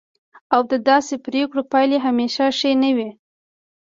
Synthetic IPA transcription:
awd̪əd̪ɑsepɾekɽopɑjleɦameʃaʃəjnəwi

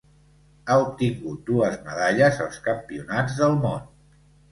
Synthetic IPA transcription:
aup̚t̪iŋɡut̪̚d̪uəzməðaʎəzəlˠskəmpiunad͡zðəlˠmon

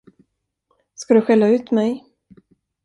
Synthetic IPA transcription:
skad̪ɵɧɛlːaʉ̟ːt̪mɛj

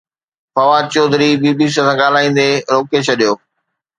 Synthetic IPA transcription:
fɐʋat͡ɕoːd̪ʱɾibiːbisãsãːɠaːl̤aːĩːnd̪eɾoːket͡ɕʰɐɗijoː

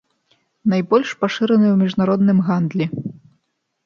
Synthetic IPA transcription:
najbɔlʲʂpaʂɨɾɐnɨwmʲiʐnaɾɔd̪nɨmɣand̪lʲɛ

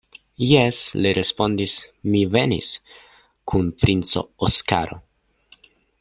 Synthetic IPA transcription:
jesliɾʔespo̞nd̪ismivenḭs | kʰunpɾint͡so̞̰oska̰ɾo̞̰

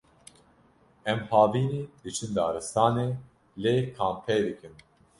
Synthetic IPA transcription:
ɛmhɑːviːniːd̪ɨt͡ʃʰɨnd̪ɑ̰ːɾɨst̪ʰɑːneː | leːkʰaːmpʰɛjd̪ɨkɨn

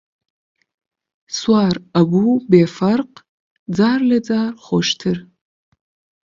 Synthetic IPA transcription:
swaːraɡʷubeːfarqʼ | d͡zaːrlad͡zaːrχʷoʂtʰɨr

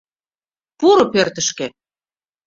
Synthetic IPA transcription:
puɾŏpørt̪ə̆ʃkĕ

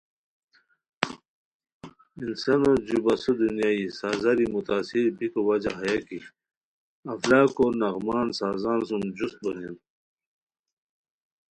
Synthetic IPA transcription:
insanod͡ʑubasud̪unjaːisaːzaɾimut̪aːsiɾbikowad͡ʑaɦajaki | ɐflaːkonaɣmaːnsaːzaːnsumd͡ʑust̪̚bɐnin

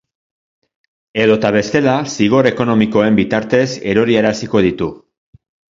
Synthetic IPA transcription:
e̞ðo̞t̪aβ̞e̞st̪e̞lasiɣ̞o̞ɾe̞ko̞no̞miko̞e̞mbit̪aɾt̪e̞se̞ɾo̞ɾieɾasiko̞ðit̪u

